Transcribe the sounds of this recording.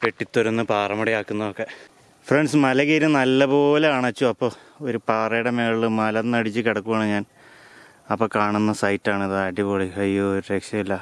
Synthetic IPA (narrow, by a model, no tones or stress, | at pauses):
peʈːit̪ːoɾunːɐpaːrɐmɐɽɐjaːkːunːɐðokːe̞ | freɳɖsmɐlɐkeːɾɐnɐlːɐpo̞ːleaːɳɐt͡ɕːuɐpːoː | oɾupaːrɐjɽemeːɭilɨmɐlɐnːɐɽit͡ɕːɨkeɽɐkːuʋɐːɳɨɲaːn | ɐpːoːkaːɳunːɐsɐjtːaːɳiðɨaːʈipoːɭihɐjːuoɾuɾeːkʂɐmilːɐ